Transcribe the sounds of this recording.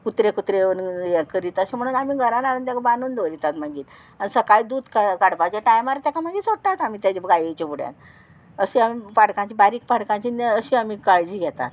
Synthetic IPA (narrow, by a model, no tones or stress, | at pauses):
kut̪ɾekut̪ɾeənjɛkəɾit̪əɕem̤əɽ̃ũnamiːɡʱəɾanaɾənt̪jakabanuːnd̪oɾit̪at̪maɡiːt̪ | anisəkaɭid̪uːd̪kakaɽbat͡ɕeʈajmaɾat̪jakʰamaɡisoʈat̪amiːt̪jat͡ɕebɡajet͡ɕebuɽja̰t̪ | əɕeamipaɽkãɲt͡ɕibaɾiːk̚paɽkãɲt͡ɕinəəɕĩamikaɭd͡ʑiːɡʱɛt̪a̰t̪